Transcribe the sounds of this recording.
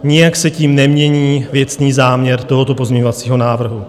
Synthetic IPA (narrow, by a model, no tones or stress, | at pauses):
ɲɪjaksɛciːmnɛmɲɛɲiːvjɛt͡sniːzaːmɲɛɾt̪o̞ɦo̞t̪o̞po̞zmɲɛɲo̞vat͡siːɦo̞naːvr̩ɦu